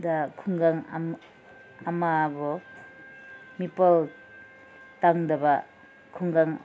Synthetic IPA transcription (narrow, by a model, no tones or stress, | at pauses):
dakʰuŋɡaŋ | amabɔ | mipal | taŋdɐba | kʰuŋɡaŋ